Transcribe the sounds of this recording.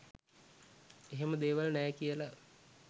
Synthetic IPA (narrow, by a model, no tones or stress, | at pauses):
eɦeməd̪eːʋalnɛːkijəla